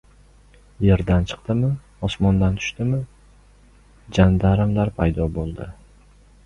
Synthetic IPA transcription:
jeɾd̪ant͡ʃʰɨ̥qt̪ɪmɪ | ɒsmɒnd̪ant̪ʰʊ̥ʃt̪ɪmɪ | d͡ʒand̪aɾɪmlaɾpʰajd̪ɒbolˠd̪ɪ̰

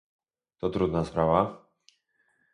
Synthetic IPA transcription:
t̪ɔt̪ɾud̪naspɾava

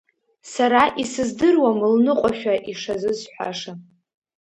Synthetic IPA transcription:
saɾaʔisɨzdɨrwamɨlnɨqʷʼaʃᶣaʔiʂazɨzħʷa̰ʂa

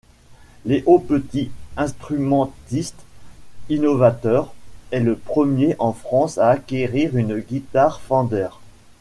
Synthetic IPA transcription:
leʔopət̪iɛ̃st̪χymɑ̃t̪ist̪inɔvat̪œʁɛləpχəmjeʔɑ̃fχɑ̃saːkʲeʁiʁynɡʲit̪aʁfɑ̃d̪ɛʁ

